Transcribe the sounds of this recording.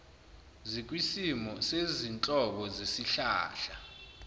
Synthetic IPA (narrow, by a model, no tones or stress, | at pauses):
zik̬ʼwisimɔsezint͡ɬʼɔɓɔzesiɬa̰ːɬa